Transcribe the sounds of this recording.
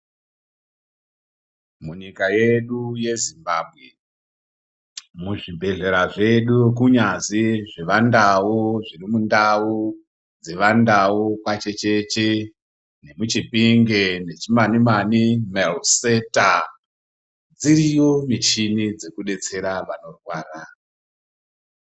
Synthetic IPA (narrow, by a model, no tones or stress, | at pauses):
muɲikaje̞ɗuje̞zimbabʱɣe̞ | muʐibʱe̞ɮe̞ɾaʐe̞ɗukuɲaziʐeʋandawuʐirimundau | d͡ze̞ʋandaukwat͡ʃe̞t͡ʃe̞t͡ʃe | nemut͡ʃipiŋɡe̞ne̞t͡ʃimanimanimelseta | d͡zirijo̞mit͡ʃinid͡ze̞kuɗe̞t͡se̞ɾaʋano̞rwaːra